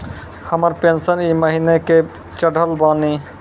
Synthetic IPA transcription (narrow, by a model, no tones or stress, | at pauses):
həməɾpensəniməɦineke | t͡ʃəɽ̤ʱəlbani